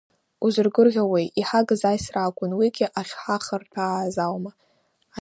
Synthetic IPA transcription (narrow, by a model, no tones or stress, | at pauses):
uzɨrɡɨrʁʲawejʔiħaɡɨzajsraːkʷʼʊnwiɡʲɪʔaχʲħaχərtʰaːzawma